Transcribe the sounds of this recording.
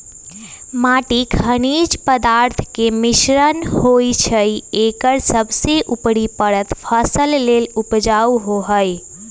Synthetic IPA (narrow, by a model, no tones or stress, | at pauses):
maːʈikʰəñiːd͡ʒpəd̪aːɾt̪ʰkemɪʃɾənɦoit͡ʃʰəieːkəɾsəbseʔʊpɽipəɽət̪pʰəsəlːeːlʊpd͡ʒaːuɦoɦəj